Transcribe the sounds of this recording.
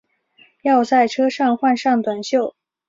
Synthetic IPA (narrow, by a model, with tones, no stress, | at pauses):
jɑ˥˧ʊt͡sa˥˩ɪʈ͡ʂʰɤ˥ʂɑ˥˧ŋxwa˥˧nʂɑ˥˩ŋt̪wa˨˩nɕjo˥˩ʊ